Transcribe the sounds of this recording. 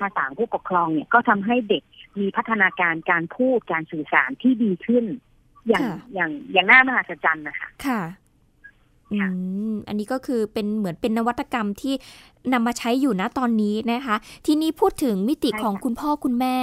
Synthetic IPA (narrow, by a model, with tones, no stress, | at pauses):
pʰaː˧saː˩˦npʰuː˥˩po˨˩kʰːɾɔː˧ŋni˥˩ɐkɔː˥˩t̪ʰa˧mɦa˥˩jde˨˩k̚miː˧pʰa˦˥t̪ʰːa˧naː˧kaː˧nkaː˧npʰuː˥˩t̪̚kaː˧nsɯː˨˩sa̰ː˩˦nt̪ʰiː˥˩diː˧kʰɯ˥˩n | jaː˨˩aŋ˩jaː˨˩ŋjaː˨˩ŋnaː˥˩ma˧ɦaː˨˩t̪sa˧˥t͡ɕa˧nːa˦˥kʰa̰˦˥˩kʰa˥˩ | ʔkʰɯa˦˥˩ʔa̰˧nːiː˦˥kɔː˥˩kʰɯː˧pe˧nmɯ˩˦ənpe˧nːa˦˥wa˦˥t̪ʰːa˧ka˧mt̪ʰiː˥˩ | na˧mːaː˧t͡ɕʰa˦˥jːuː˨˩na˦˥˩t̪ɔː˧nːiː˦˥na˦˥kʰa˦˥t̪ʰiː˧niː˦˥˩pʰuː˥˩t̪ʰːɯ˩˦ŋmi˦˥t̪i˨˩kʰɔː˩˦ŋkʰu˧npʰɔː˥˩kʰu˧nmɛː˥˩